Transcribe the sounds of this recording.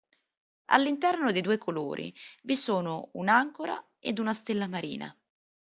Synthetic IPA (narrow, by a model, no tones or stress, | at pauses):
a̰lːint̪ɛrnod̪id̪uːekʰolo̰ːɾʔḭvisoːnounaŋkoɾa̰ | ḛd̪unast̪elːamaɾḭːna̰